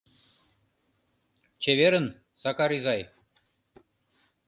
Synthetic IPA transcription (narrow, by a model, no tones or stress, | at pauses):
t͡ɕeβeɾə̆n | sɑkɑɾizɑj